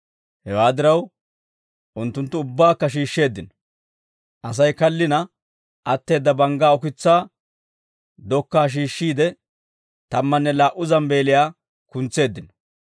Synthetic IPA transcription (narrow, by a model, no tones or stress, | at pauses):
hɛwaːd̪ɪɾɐw | ʔʊnt̪ːʊnt̪ːʊʊbːaːkːɐʃ̬iːʃːe̞ːd̪ːɪnɔ̥ | ʔɐs̬ɐjkɐlːɪnɐ | ʔɐt̪ːe̞ːd̪ːɐbɐŋɡaːɔkɪt͡sːaː | d̪ɔkːaːʃ̬iːʃːiːd̪ɛ | t̪ɐmːɐnːɛlaːʔʊzɐmbe̞ːlɪjaː | kʊnt͡sːe̞ːd̪ːɪnɔ̥